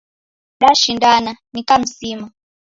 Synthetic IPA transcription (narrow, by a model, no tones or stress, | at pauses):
ɗaʃindananikam̩siːma